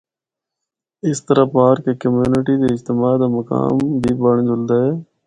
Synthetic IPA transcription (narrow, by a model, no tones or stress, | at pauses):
ɪst̪əɾaːpaːɾkeːkəmjuːnɪʈiːd̪eːɪd͡ʒt̪ɪmaːd̪aːməka̰ːmbʱiːbəɳd͡ʒʊld̪aːɦɛː